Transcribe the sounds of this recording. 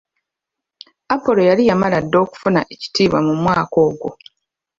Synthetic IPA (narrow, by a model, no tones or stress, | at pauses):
apo̞lo̞jalijamaladːo̞ːku̥funaʔe̞ci̥tiːβwa̰mumwaːko̞ːɡo